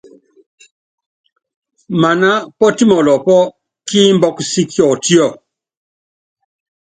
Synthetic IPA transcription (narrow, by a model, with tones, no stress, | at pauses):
ma˨na˦pɔ˦ti˦mɔ˨lɔ˨pɔ˦ | kiː˦m˦bɔ˦ksi˦kjɔ˨ti˦ɔ˦˨